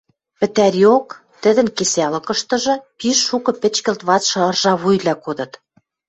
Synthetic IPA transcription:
pɘ̆t̪æɾok | t̪ə̆d̪ə̆nkesælɤ̆kɤ̆ʃt̪ɤ̆ʒɤ̆piʃːukɤ̆pɘ̆t͡ɕkə̆lt̪βɑt͡sʃɤrʒɑβujlɑkod̪ɤ̆t̪

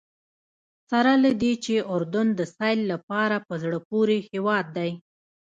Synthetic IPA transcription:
saɾalad̪et͡ʃeʔʊɾd̪ʊnd̪əsɑjlːapɑɾapəzɽəpoɾehewɑd̪ːaj

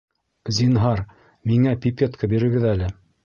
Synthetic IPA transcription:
zinɦɑɾ | miŋæpʲipʲet̪kʰabiɾɘ̆ɡɘðælɘ

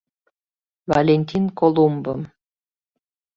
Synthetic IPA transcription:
valʲenʲt̪ʲinkolˠumbɤm

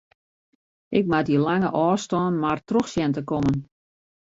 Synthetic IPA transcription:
ʔɪk̚madilaŋəʔɔːstɔːnmartroxsjɛntəkɔmən

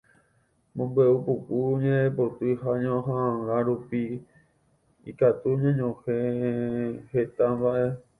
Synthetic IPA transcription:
mõmbweupukuɲẽepot̪ɨɦaɲõɦããɾaɾupi | ḭkat̪uɲãɲõhe | he̞t̪abaʔe̞

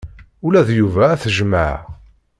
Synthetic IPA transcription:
ulæðjuvæːθəʒma̰ʕ

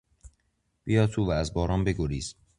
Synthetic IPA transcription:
b̥ijɒːt̪ʰuːvææzbɒːɾɒːmbeɡoɾiːz̥

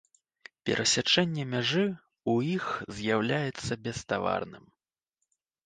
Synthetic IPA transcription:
pʲɛ̰ɾʔɐsʲat͡ʂɛnʲːɛmʲaʐɨ | ujixzʲjawlʲajɛt̪sːɐbʲɛst̪ava̰rnɨm

